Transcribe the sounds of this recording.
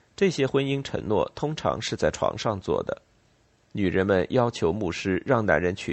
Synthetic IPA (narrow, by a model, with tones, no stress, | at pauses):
ʈ͡ʂɤ˥˩ɕjɛ˥xwə˥ni˥ŋʈ͡ʂʰə̰˧˥ŋnwɔ˥˩t̪ʰʊ˥ŋʈ͡ʂʰɑ̰˧˥ŋʂɻ̩˥˧t͡sa˥˩ɪʈ͡ʂʰwɑ̰˧˥ŋʂɑ˥˧ŋt͡swɔ̰˥˩d̪ə̰˩ | ny˨˩ɻə˧˥nmə˧njɑ˥ʊt͡ɕʰjo˧˥ʊmu˥˩ʂɻ̩˥ɻɑ˥˩ŋna̰˧˥nɻə˧˥nt͡ɕʰy˨˩